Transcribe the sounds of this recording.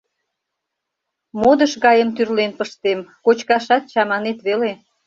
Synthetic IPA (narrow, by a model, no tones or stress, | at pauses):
mod̪əʃɣɑjəmt̪yrlenpəʃt̪emkot͡ɕkɑʃɑt̪̚t͡ɕɑmɑnet̪βele